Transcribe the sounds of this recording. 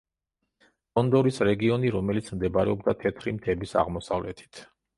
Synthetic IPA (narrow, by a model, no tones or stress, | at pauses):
bɔnd̪ɔɾisɾɛɡiɔniɾɔmɛlit̪sʰmd̪ɛbaɾɛ̰ɔbd̪at̪ʰɛt̪ʰɾimt̪ʰɛbisa̰ʁmɔsavlɛt̪ʰi̥t̪ʰ